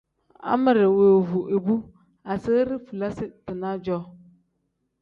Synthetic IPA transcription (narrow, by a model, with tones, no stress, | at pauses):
a̰˦mə˨ɾɪ˨weː˨vu˨ʔe˨bu˦ | a˨sə˦ɾɪ˦fu˨la˦sɪ˦tɨ˨na˦d͡ʒɔ˦